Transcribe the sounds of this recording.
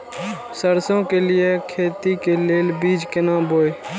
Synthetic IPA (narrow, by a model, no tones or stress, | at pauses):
səɾsõːkeːlɪjeːkʰeːt̪iːkeːleːlbiːd͡ʒkɪnãːboːeː